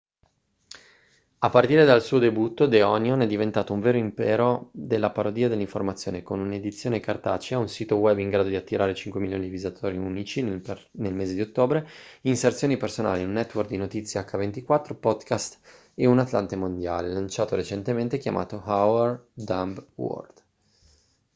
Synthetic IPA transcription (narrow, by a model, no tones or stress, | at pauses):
apːart̪iːɾed̪alsuːod̪ebut̪ːod̪eɔnjonɛd̪ːivent̪aːt̪ouɱveːɾoimpɛːɾod̪elːapaɾod̪iːad̪elːiɱformat̪sːjoːnekonuned̪it̪sːjoːnekart̪aːt͡ʃiaunsiːt̪owɛbːiŋɡɾaːd̪od̪iat̪ːiɾaːɾet͡ʃiŋkwemiljoːnid̪ivizat̪ʰoːɾiunit͡ʃin | nelmeːzed̪iot̪ːoːbɾeinsert̪sjoːnipersona̰ːliunːɛt̪ːworkd̪inot̪it̪sːjaakːavent̪ikwat̪ːɾopɔd̪kast̪ | eunat̪lant̪emond̪ja̰ːlelant͡ʃaːt̪oɾet͡ʃent̪ement̪ekʲjama̰ːt̪ohawɛrd̪ambwɔ̰rd̪̥